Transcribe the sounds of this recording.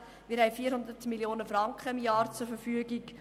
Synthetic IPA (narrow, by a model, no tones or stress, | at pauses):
ʋiːɾɦɛɪfiːɾhʊnd̪ətmiljoːnəfrɑŋkχəɪmjɑːɾt͡sʊɾfəfyəɡik